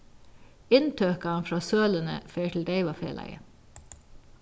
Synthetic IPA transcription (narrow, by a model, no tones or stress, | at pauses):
ɪnt̪ʰøːkɑɑnfɾɑːsøːlənə̰feːʈʰl̩d̪eɪʋɑːfḛːlʔæ̰ɪə